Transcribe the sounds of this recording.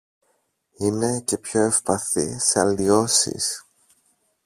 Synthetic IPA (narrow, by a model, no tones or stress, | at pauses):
ine̞ce̞pço̞e̞fpɐθḭseɐlio̞sḭs